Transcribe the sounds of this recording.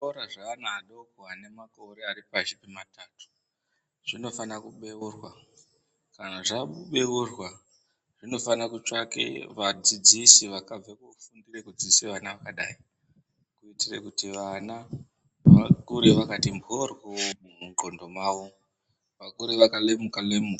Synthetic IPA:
ɾaʐaːnaːɗokwane̞mako̞ɾearipaʒipimataːtu̥ | ʐ̥ino̞fanakuɓe̞urwa | kanaʐaɓuɓe̞urwa | ʐ̥ino̞fanakut͡ʃakḛʋad͡zid͡zisiʋakab͡vekufundirekud͡ziseʋanaʋakaɗa̰ːi | kuitirḛkutiʋana | ʋakuɾeʋakatimbʱorwomumuŋɡondo̞maːʋo | ʋakuɾeʋakalemukalemuka

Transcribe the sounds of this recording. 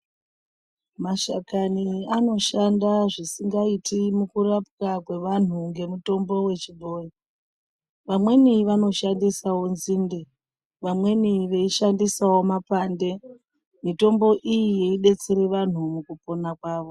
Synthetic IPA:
maʃa̰kaniano̞ʃandaʐisiŋɡaitimukurapkakwe̞ʋan̤uŋɡe̞muto̞mbo̞we̞t͡ʃibʱo̞ːji | ʋamwe̞niʋano̞ʃandisawo̞nziːnde | ʋamwe̞niʋe̞iʃandisawo̞mapande̞ | mito̞mbo̞ʔijije̞iɗe̞t͡seɾe̞ʋan̤umukupo̞nakwaːʋo̞

